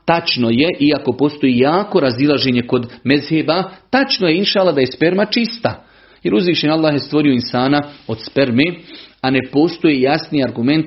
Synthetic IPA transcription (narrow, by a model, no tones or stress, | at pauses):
t̪at͡ʃno̞je̞ʔiako̞po̞ːst̪o̞jiːjaːko̞ɾazilˠaʒe̞ɲe̞ko̞d̪mezheːbat̪at͡ʃnojeinʃaːlːˠaɦd̪ajespe̞ɾmat͡ʃist̪a | je̞ɾuzʋiːʃenalːaːhje̞st̪ʋo̞ɾio̞insaːnaod̪spe̞ɾmeane̞po̞ːst̪o̞jeːjasniːaɾɡume̞nt̪